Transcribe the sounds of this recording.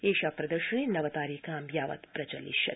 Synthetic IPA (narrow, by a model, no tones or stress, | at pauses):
eːʃaːpɾɐd̪əɾʃɐɳ̃enɐʋɐt̪aːɾikaːmjaːʋɐ̰t̪pɾɐt͡ʃɐlḭʃɐ̰t̪